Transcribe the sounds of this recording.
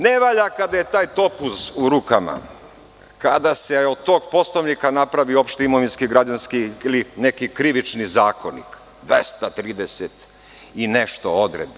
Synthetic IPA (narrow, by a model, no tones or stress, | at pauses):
neʋaʎakad̪aje̞t̪aːjt̪o̞pusuɾukama̰ | kad̪aseod̪̚t̪ːoːɡ̚po̞sloʋnikanapɾaʋio̞pʃt̪eimoʋinskiɡɾad͡ʒanskiilinekikɾiʋit͡ʃnizaːkonḭk | d̪ʋest̪at̪ɾiːd̪eset̪ | ineʃt̪ood̪ɾed̪bo